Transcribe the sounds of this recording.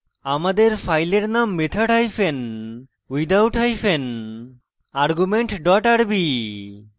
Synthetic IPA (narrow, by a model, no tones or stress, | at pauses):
amad̪eɾfʰajleɾnamːet̪ʰaʈajfʰen | wid̪awʈajfʰen | aɾɡumeɳʈɖɔʈaɽbi